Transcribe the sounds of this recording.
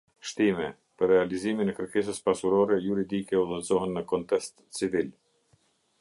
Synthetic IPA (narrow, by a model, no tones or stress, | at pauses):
ʃt̪imɛ | pərːɛaliziminɛkəɾkɛs̬əspasuɾɔɾɛjuɾid̪ikɛuðɛzɔɦənːəkɔnt̪ɛst̪t͡sivil